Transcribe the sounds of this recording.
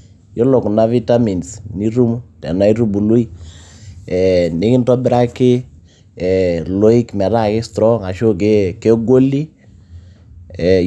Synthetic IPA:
jo˦lo˨kna˦vi˦ta˦mi˨nsni˦ɾu˦mu˦tɛ˨na˦iɾu˦bu˨lu˦i˦ | ɛ˨nɪ˦kɪ˦ntɔ˦bɪ˦ɾa˦kɪ˦˨ | lo˦i˦kmɛ˨ɾa˦kɪ˦stɾɔ˦ŋa˨ʃo˦ke˦ke˦ɡo˦li˦ | ɛ˨

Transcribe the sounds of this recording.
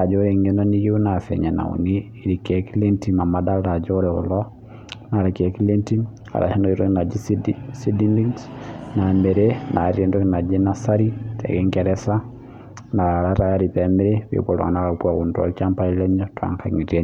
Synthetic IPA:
a˨d͡ʒo˦ɾe˨ŋenɔni˦ji˦u˦na˨fɛ̰˨ɲa˨na̰˨ṵ˨niː˦˨ɾi˨kɛ˨kili˦nti˨ma˨mada˦ɾa˨d͡ʒoɾɛʊ̰˨lɔ | na˨ɾa˨kɛ˨kile˦nti˦ | a̰˨ɾa̰˨ʃa˦nɔ˨i˦ɾo˦kna˨d͡ʒisi˦di˦ndi˦ŋsna˨mɛ˨ɾenʔa˨ɾi˦ɛ˨ndo˦kina˨d͡ʒenasa˦ɾi˦tʰɛ̰˨kɛ˦ŋkɛɾɛ˦sa˦ | na˨aɾa˦ɾa˦jaɾi˨pɛ˨meɾeβḛβo˨lɔ̰ŋa̰˨na˦ka˨kwa˨ɣu˨nta̰˨t͡ʃa˦mpa˦i˦lɛ˦ɲɔ˦twa̰˦ŋkʰaŋi˨tiɛ˦

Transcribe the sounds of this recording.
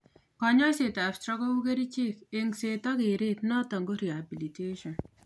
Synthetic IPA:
kɔɲɔ˦se˨tafstɾɔ˦kɔwu˦ke˦ɾi˦t͡ʃɪ˦keŋse˨t̪ɔ˦kɪ˨ɾɪt̪nɔ˦t̪ɐ˨ŋɡo˦ɾiabiliteʃɔn

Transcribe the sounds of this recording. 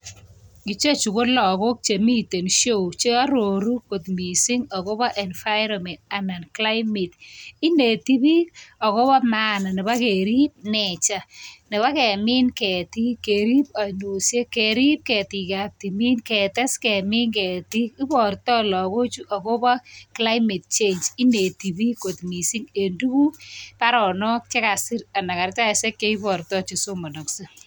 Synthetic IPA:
ɡi˨t͡ʃe˦t͡ʃu˨ko˦lɔ˨ko˦k̚t͡ʃe˨mi˦te˨nʃo˦wt͡ʃe˦a˦ɾo˨ɾu˦ko˨tmi˨si˦ŋɔ˨ko˦bɔ˦ʔɛ˨nfa˦jɾɔ˨mɛ˨nta˨na˨nkla˦ɪmi˨tɪ˦ne˨ti˦bi˦ɔ˨ko˦bɔ˦maː˦na˨nɪ˨ba˦ke˨ɾi˦p̚nɛ˨t͡ʃa˨nɪ˨βa˦kɛ˨mi˦nkɛ˨ti˦ke˨ɾi˦p̚a˨no˨sje˦ke˨ɾi˦p̚kɛ˨ti˨kap̚ti˨mi˦nkɛ˨tɛ˦skɛ˨mi˦nkɛ˨ti˦ki˦pɔ˨rtɔ˦lɔ˨ko˦t͡ʃu˦ʔa˨ko˦bɔ˦kla˦ɪme˨t̚t͡ʃe˦nt͡ʃi˦ne˨ti˨bi˦ko˨tmi˨si˦ŋe˨ndu˦ku˦pa˦ɾɔ˨nɔ˦k̚t͡ʃe˦ka˨si˦ɾa˨na˨ka˨rt͡ʃa˦se˦kje˦i˦pɔ˨ɾtɔ˦t͡ʃi˨so˦mɔ˨no˨kse˦

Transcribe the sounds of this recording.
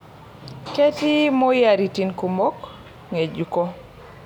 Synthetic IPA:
ke˦ti˦mɔ˦ja˨ɾi˨ti˦nku˨mo˦k | ŋe˨d͡ʒu˨ko˦

